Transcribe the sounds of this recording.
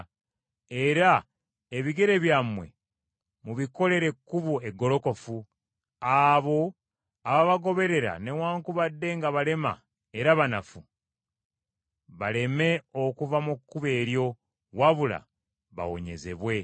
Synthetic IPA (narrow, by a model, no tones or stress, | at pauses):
e̞ɾa | eβiɡe̞ɾe̞βjamwe̞̰ | muβiko̞le̞ɾe̞kːuβoeɡːo̞lo̞ko̞fu | aβo̞ | aβaβaɡo̞βe̞ɾe̞ɾa̰ne̞waːŋkuβadːe̞ŋɡaβale̞ma̰ | e̞ɾaβanafu | βale̞me̞o̞kuvamukːuβe̞ːɾjo̞ | waβula̰ | βa̰wo̞̰ɲe̞̰ze̞̰βwe̞